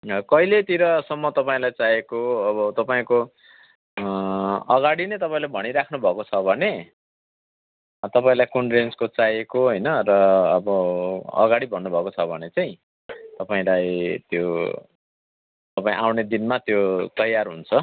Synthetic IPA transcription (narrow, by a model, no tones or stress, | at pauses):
ʌkʌjlet̪iɾʌsʌmːʌt̪ʌpaĩlajt͡sajekoʌβʌt̪ʌpaĩko | ʌɡaɽinʌjt̪ʌpaĩlajbʱʌɽ̃iɾakʰnubʱʌkot͡sʰʌbʱʌne | t̪ʌpaĩlajkoɳɖenskot͡sajekoɦʌjnʌrʌːbʌʌ̰ɡaɽibʱʌnːubʱʌkot͡sʰʌbʱʌnet͡saj̃ | t̪ʌpaĩlajt̪jo | t̪ʌpaĩʔawned̪inmat̪jot̪ʌjarɦṵnt͡sʰʌ